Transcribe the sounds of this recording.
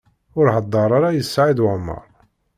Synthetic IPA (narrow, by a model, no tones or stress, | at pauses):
ʊɾhɑd̪ˤːɑɾˤaɾˤajəsːʕiðwʕmːɑ̰ɾˤ